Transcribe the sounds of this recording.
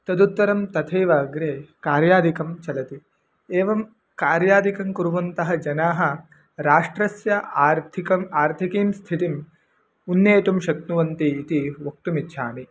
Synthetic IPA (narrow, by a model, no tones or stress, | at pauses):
t̪ɐd̪ut̪ːɐɾɐmt̪ɐt̪ʰɐjʋaːɡɾeːkaːɾjaːd̪ʱikɐmt͡ʃɐlɐt̪i | eːʋɐm | kaːɾjaːd̪ʱikɐmkuɾuʋɐnt̪ɐɦɐd͡ʒɐnaːɦɐ̆ | ɾaːʂʈɾɐsjɐaːɾt̪ʰikɐmaːɾt̪ʰikiːmst̪ʰit̪im | unːeːt̪umʃɐkt̪uʋɐnt̪iːt̪iʋok̚t̪umitːʃʰaːni